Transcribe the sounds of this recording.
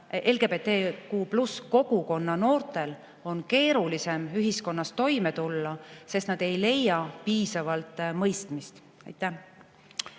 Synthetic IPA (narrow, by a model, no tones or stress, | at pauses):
ʔe̞lɡ̥epe̞t̪ːeːkuːplusko̞ɡ̥uko̞nːɑno̞ːrt̪ˑe̞l | o̞nke̞ːɾulise̞myɦisko̞nːɑst̪o̞jme̞t̪ulːɑse̞st̪nɑd̪̥e̞jle̞jːɑpiːsɑvɑlt̪ˑmɤjst̪mist̪ | ɑ̰jt̪ːˑæ